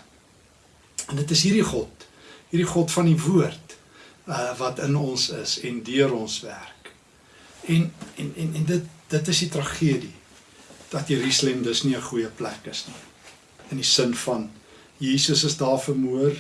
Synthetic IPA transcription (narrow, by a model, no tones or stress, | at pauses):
ndətəsɦiriχɔt | ɦiɾdiχɔtfɐnivuərt | əvɐtənɔnsə̰sɛndyəɾɔnsvæ̰rk | ɛnɛnɛnɛndət̚d̥ətəsditrɐχiədi | d̥ɐt̚diɾislɛmdəsniəχujəplækəsni | ənisənfɐn | jiːsəsəsdɑːfərmuər